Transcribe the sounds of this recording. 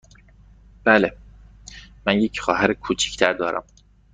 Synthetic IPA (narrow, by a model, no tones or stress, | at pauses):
b̥æːle | mænjecχɒːɦæɾikʰuːt͡ʃʰi̥ct̪ʰæɾd̪ɒːɾæ̰m